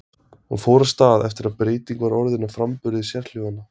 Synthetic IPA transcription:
ɔ̰foːwɾast̪aːðɛft̪ɪɾaðpɾeːjt̪iŋkvaɾɔɾðɪnːafɾampʏɾðɪsjɛrl̥joːvanːa

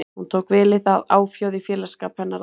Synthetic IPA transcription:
hunt̪ʰoːwkvɪlɪðaðaːwfjawðɪfjɛːlaskaːphɛnːaɾ

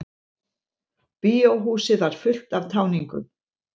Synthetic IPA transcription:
piːowɦuːsɪðvaɾ̥fʏl̥t̪avt̪ʰaːwniŋkʏ̰m

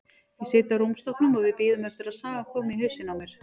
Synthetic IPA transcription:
vɪseːt̪aɾuwmst̪ɔhknʏmaðvɪðpiːðʏmɛft̪ɪɾaðsaːɣakʰɔːmɪiɦœɥsɪnamɛɾ̥

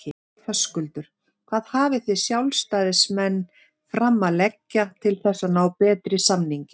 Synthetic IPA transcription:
fœskʏlt̪ʏɾ̥ | kʰv̥aːðhaːvɪθɪsjawlst̪aːðɪsmɛnː | fɾamːalɛcːat̪ʰɪlθɛsːanaːwpɛːt̪ɾɪsamniɲcɪ

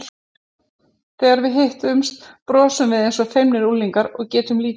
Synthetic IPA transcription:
θɛːɣaɾvɪðɦɪht̪ʏmst̪pɾɔːsʏmvɪðejnsɔfejmnɪɾulːiŋkaɾɔɣcɛːt̪ʏmliː

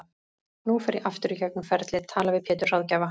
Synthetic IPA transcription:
nufɛɾɪʔaft̪ʏɾicaknʏmfɛɾt̪lɪðt̪ʰaːlavɪðpʰɛːt̪ʏɾ̥r̥awðcaːva

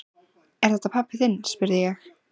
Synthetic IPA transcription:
ɛɾ̥θɛt̪apʰapːɪθɪnːspʏɾðɪjɛx

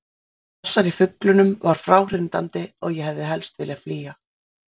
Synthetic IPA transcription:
θɔsːaɾifʏklʏnʏmvaɾ̥fɾaːwr̥ɪnt̪a̰nt̪ɪɔɣjɛɦɛvðɪɦɛlst̪vɪliafliːa

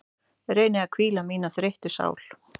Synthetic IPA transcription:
ɾeːjnɪakʰviːlamiːnasɾejht̪ʏsa̰ːwl̥

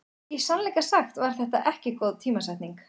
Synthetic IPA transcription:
isanlɛjkasaxt̪vaɾ̥θɛht̪a̰ʔɛhcɪkowðt̪ʰiːmasajht̪niŋk

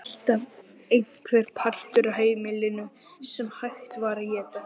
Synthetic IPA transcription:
l̥t̪av | ejŋkʰvɛɾ̥pʰḁl̥t̪ʏɾaɦeːjmɪlɪnʏ | sɛmhajxt̪vaːɾajɛːt̪a

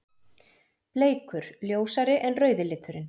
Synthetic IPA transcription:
pleːjkʏɾ̥ljoːwsaɾɪʔɛnrœːɥðɪlɪːt̪ʏɾɪn

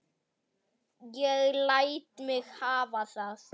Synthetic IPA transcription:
jɛɣlajt̪mɛɣhaːvaɬas

